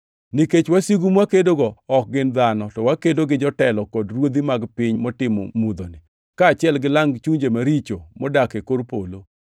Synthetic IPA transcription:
niket͡ʃwasiɡumwakedoɡɔɔk̚ɡɪnd̪anɔtɔwakedoɡɪd͡ʒɔtɛlɔkɔdrwod̪imaɡpɪɲmɔtɪmɔ̰mud̪onɪ | kaːt͡ʃɪɛlɡɪlaŋt͡ʃuɲd͡ʒemaɾit͡ʃomɔdakekoɾpolo

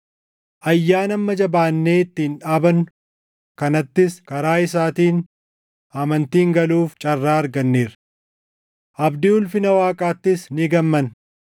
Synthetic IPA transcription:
ʔɐjːaːnɐmːɐd͡ʒɐbaːnːe̞ːɪt̪ːɪnᶑaːbɐn | kɐnɐt̪ːɪskɐɾaːɪs̬aːt̪iːn | ɐmɐnt̪iːŋɡɐluːft͡ʃʼɐrːaːɐɾɡɐnːeːɾ | ʔɐbd̪ɪʊlfɪnɐwaːkʼaːt̪ːɪsnɪɡɐmːɐn

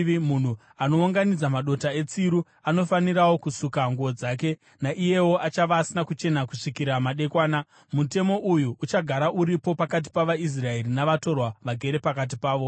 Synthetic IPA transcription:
mun̤u | ano̞uŋɡanid͡zamaɗo̞tae̞t͡siɾu | ano̞faniɾawo̞kusukaŋɡuod͡zaːke̞ | naʔije̞wo̞ʔat͡ʃaʋaːsinakut͡ʃe̞nakuʂikiɾamaɗe̞kwaːna | mute̞mo̞ʔujuʔːt͡ʃaɡʱaɾaʔuɾipo̞pakat̬i̥paʋais̬rae̞ɾinaʋato̞rwaʋaɡʱe̞ɾe̞pakat̬ipaːʋo̞

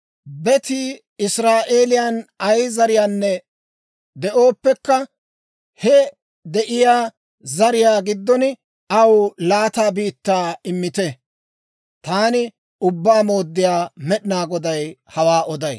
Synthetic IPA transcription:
bɛt̪i | ɪsɾaːʔe̞ːlɪjɐnɐjzɐɾɪjaːnːɛ | d̪ɛʔo̞ːpːɛkːɐ | hɛ | d̪ɛʔɪjaː | zɐɾɪjaːɡɪd̪ːɔnɪ | ɐwlaːt̪aːbiːt̪ːaːɪmːɪt̪ɛ | t̪aːnɪ | ʊbːaːmo̞ːd̪ːɪjaːmɛɗɪnaːɡɔd̪ɐjhɐwaːʔɔd̪ɐj

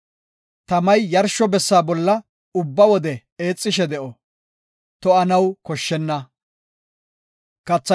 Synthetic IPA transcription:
t̪ɐmɐjːɐɾʃɔbɛsːaːbɔlːɐ | ʊbːɐwɔd̪ɛ | eːt͡sʼːɪʃ̬ɛd̪ɛʔɔ | t̪ɔɐnɐwkɔʃːɛnːɐ | kɐt͡sːɐ

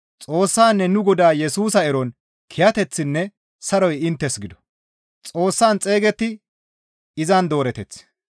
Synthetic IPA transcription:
t͡sʼo̞ːsːaːnːɛnʊɡɔd̪aːjɛsuːs̬ɐɛɾɔn | kʰɪjɐt̪ɛt͡sːɪnːɛ | sɐɾɔjɪnt̪ːɛsɡɪd̪ɔ̥ | t͡sʼo̞ːsːaːnt͡sʼe̞ːɡɛt̪ːɪ | ɪzɐnd̪o̞ːɾɛt̪ɛt͡sː

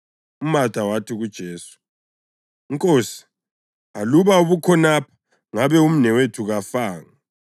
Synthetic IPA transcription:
umatawatʰiɣud̥ʒ̥ʱeːsu̥ | iŋkʼoːsi̥ | aluβauβukʰɔnapʰḁ | ŋaβɛum̩nɛwetʰuɣafaːŋa

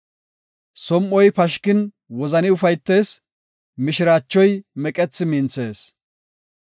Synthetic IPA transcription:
sɔmʔɔjpɐʃkɪn | wɔzɐnɪʊfɐjt̪ːe̞ːs | mɪʃɪɾaːt͡ʃːɔjmɛkʼɛt͡sːɪmɪnt͡sːe̞ːs

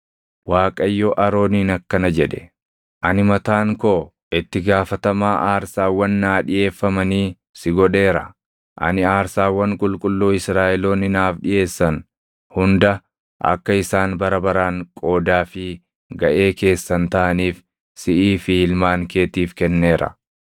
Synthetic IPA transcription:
waːkʼɐjːɔʔɐɾo̞ːniːnɐkːɐnɐd͡ʒɛᶑɛ̥ | ʔɐnɪmɐt̪aːŋkoː | ʔɪt̪ːɪɡaːfɐt̪ɐmaːʔaːɾsaːwːɐnːaːᶑɪʔe̞ːfːɐmɐniː | sɪɡɔᶑe̞ːɾɐ | ʔɐ̰nɪaːɾsaːwːɐŋkʼʊlkʼʊlːoːɪsɾaːʔɛloːnɪnaːfᶑɪje̞ːsːɐn | hʊnd̪ɐ | ʔɐ̰kːɐɪsaːnbɐɾɐbɐɾaːŋkʼo̞ːd̪aːfɪ | ɡɐʔe̞ːke̞ːsːɐnt̪ɐʔɐniːf | sɪʔiːfɪhɪlmaːŋke̞ːt̪iːfkɛnːe̞ːɾɐ̰

